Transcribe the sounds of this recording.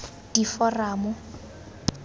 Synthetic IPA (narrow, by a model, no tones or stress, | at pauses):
d̥ifɔraːmʊ